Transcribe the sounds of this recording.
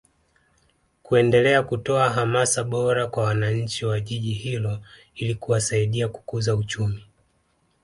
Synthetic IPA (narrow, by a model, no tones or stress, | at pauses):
kuɛndɛlɛakutɔaɦamasaɓɔɾakwawanaɲ̩t͡ʃiwaʄiʄihilɔ | ilikuwasaiɗiaku̥kuzaut͡ʃumi